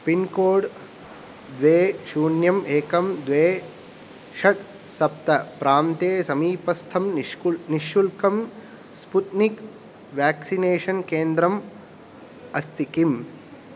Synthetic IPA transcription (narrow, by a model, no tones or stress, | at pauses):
pinkoːɖ | d̪ʋeːʃuːɳjɐmeːkɐmd̪ʋeː | ʃɐʈ | sɐp̚t̪ɐpɾaːmt̪eːsɐmiːpɐst̪ʰɐmniʃːulkɐm | sput̪nik | ʋaːksineːʂɐnkeːnd̪ɾɐm | ɐst̪ʰikim